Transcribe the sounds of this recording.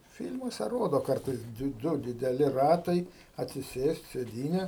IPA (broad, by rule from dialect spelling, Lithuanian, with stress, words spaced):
ˈfʲɪlʲmuɔsʲɛ ˈroːdoː ˈkɐrtɐɪs ˈdʊ dʲɪdʲɛˈlʲɪ ˈrɑːtɐɪ ɐtʲsʲɪˈsʲeːsʲtʲ sʲeːˈdʲiːnʲɛ